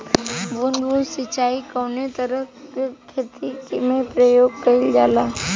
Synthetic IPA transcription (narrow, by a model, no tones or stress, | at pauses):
bʊnɡusɪt͡ʃaːikɔːnet̪əɾəkekʰet̪ikmẽpɾəjoːɡ̚kɐɪld͡ʒa̰ːlaː